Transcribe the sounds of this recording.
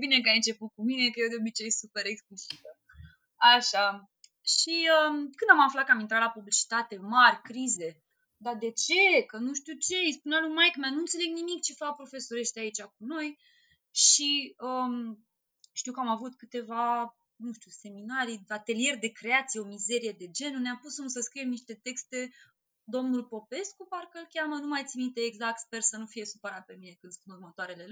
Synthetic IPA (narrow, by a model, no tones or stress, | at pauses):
bine̞kajɨnt͡ʃe̞put̪̚kumine̞kəjed̪eo̞bit͡ʃe̞jsupe̞ɾeksplisit̪ə | aʃa | ʃiəmkɨnd̪amaflat̪kəamint̪ɾat̪lapublit͡ʃi̥t̪at̪e̞marʲkɾize̞ | d̪ad̪e̞t͡ʃe̞kənuʃt̪ʲut͡ʃe̞ispunealujmajkmanunt̪se̞le̞ɡ̚nimikt͡ʃe̞fapɾo̞fe̞so̞ɾe̞ʃt̪ʲait͡ʃʲak̚uno̞j | ʃiəm | ʃt̪iuwkəamavut̪kɨt̪e̞va | nuʃt̪ʲuse̞minaɾiat̪e̞lije̞rd̪e̞kɾe̞at̪sijeo̞mize̞ɾije̞d̪e̞d͡ʒe̞nuneampusumsəskɾije̞mniʃt̪e̞t̪e̞kst̪e̞ | d̪o̞mnulpo̞pe̞skuparkəlkʲamənumajt̪simit̪eeɡzakt̪spe̞rsənufije̞supəɾat̪̚pe̞mine̞kɨnd̪spunurmət̪oaɾe̞le̞